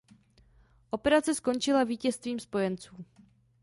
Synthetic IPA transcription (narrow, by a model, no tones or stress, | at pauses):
ʔo̞pɛɾat͡sɛsko̞nt͡ʃɪlaviːcɛst̪viːmspo̞jɛnt͡suː